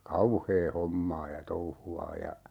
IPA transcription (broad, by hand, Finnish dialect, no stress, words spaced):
kɑuheː homːɑː jɑ touhuɑː jɑ